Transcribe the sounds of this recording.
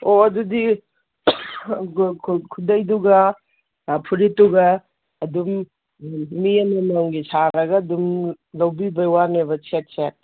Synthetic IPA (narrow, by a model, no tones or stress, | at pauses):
oɐdudi | kʰkʰudɐjduɡɐ | pʰuɾituɡɐː | dum | miɐnɐnɐŋɡisaɾɐɡɐːdum | lɐwbibɐjwanebɐt͡ʃet̚t͡ʃet̚